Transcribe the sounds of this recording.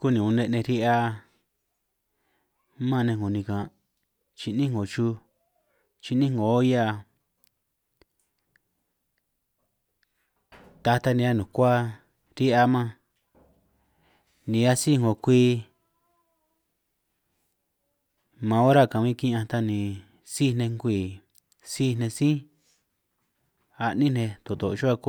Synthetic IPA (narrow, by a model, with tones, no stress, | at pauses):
ku˦nĩ˨ũ˧nẽ˧nẽ˧ɾi˦ʔa˧ | mã˦˧nẽ˧ŋɡo˨nĩ˧kã˨ | t͡ʃi˧nĩ˦ŋ˦o˨t͡ʃu˧ | t͡ʃi˧nĩ˦ŋ˦ɡo˨˦ja˦˧ | t̪a˧t̪a˧nĩ˧a˦nũ˨kʷa˦ | ɾi˦a˧mã˧ | nĩ˧a˦si˦˨ŋɡo˨kʷi˧ | mã˧˦o˦ɾa˦˨kã˨mĩ˧˦˧kĩ˦˧ã˧t̪a˧nĩ˨ | si˦n̥ẽ˧ŋɡʷiː˨ | si˦n̥ẽ˧sĩ˦ | a˧ʔnĩ˦nẽ˧t̪o˨t̪o˨˧t͡ʃo˦a˧ku˦